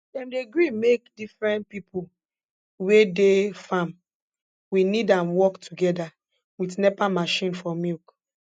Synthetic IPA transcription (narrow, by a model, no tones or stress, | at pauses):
dɛ̃mdeɡɹimekdifɹɛ̃ntpipu | wedefãm | winidãnwɔktʰuɡɛda | witnɛpamaʃĩnfɔmilk